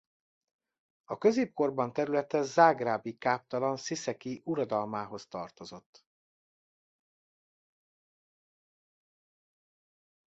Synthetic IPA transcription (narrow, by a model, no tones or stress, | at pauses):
ɒkø̞zeːp̚korbɒnt̪ɛɾylɛt̪ɛzaːɡraːbikaːp̚t̪ɒlɒnsisɛkiʔuɾɒd̪ɒlmaːɦo̞st̪ɒrt̪o̞zo̞t̪ː